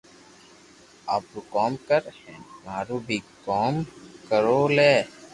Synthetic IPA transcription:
aːpɾuːkɔːmkəɾhɛ̃ːmaːɾuːbʱiːkɔːmkəɾoːleː

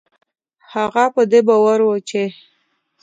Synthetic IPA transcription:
haɣapəd̪ebawaɾwət͡ʃe

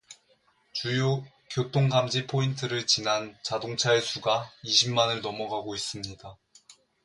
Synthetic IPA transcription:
t͡ɕujo | kjot͈oŋɡamd͡ʑipʰointʰɯɾɯɭt͡ɕinɦant͡ɕadoŋt͡ɕʰaesʰuɡaiɕʰimmanɯɭnʌmʌɡaɡois͈ɯmɲida

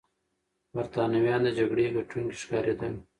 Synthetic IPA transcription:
bɐɾt̪ɑːnɐwjɑːnd̪əd͡ʒɐɡɽeɡɐʈ͡ʂuŋɡi̥ʃkɑːɾed̪ɐŋ

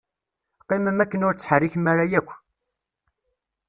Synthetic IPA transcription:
qːiməmækːənʊɾt͡sːħərːiçmaɾajækʷː

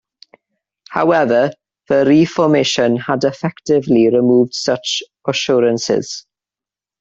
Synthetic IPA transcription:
ha̰wɛvə | ð̥əɾifɔmejʃə̃nhədɛfɛktɪvliɹɪmuːvd̥sʌt͡ʃ | əʃɔːɾə̃nsɪ̰z̥

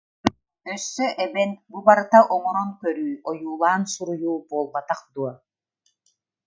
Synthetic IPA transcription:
œsːœʔɛbɛnbubaɾɯt̪aʔɔŋɔɾɔnkœɾyːɔjuːlˠaːnsuɾujuːbɔːlˠbat̪aqd̪uɔ

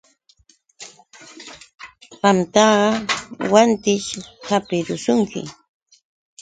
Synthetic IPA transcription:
ɢɑmt̪ɑɢɑwant̪ɪʃhapɪɾʊsʊŋkʰɪ̰

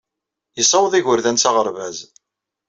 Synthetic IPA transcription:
isˤɑwðˤiʝʊɾðænt͡sɑʁəɾvæz

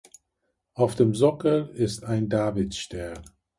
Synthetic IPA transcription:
ʔaʊfd̥eːmzʊkəɪstaɪndaːvɪt͡sʃtɛɐn

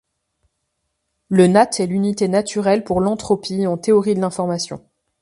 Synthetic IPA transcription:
lənat̪ʰɛlynit̪enat̪yʁɛlpuʁlɑ̃t̪χɔpʰiɑ̃t̪eɔʁid̪əlɛ̃fɔʁmasjɔ̰̃

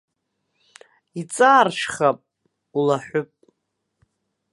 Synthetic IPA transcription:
it͡sʼaːrʂχapʼ | ulaħʷʊpʼ

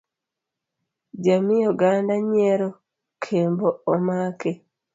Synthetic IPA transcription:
d͡ʒamijoɡandaɲɛɾo | kʰemboomake

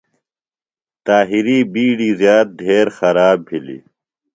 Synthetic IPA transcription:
t̪aːɦiɾiːbiːɽiːzjaːt̪̚d̪ʱeːɾxɐɾaːbbʱilḭ

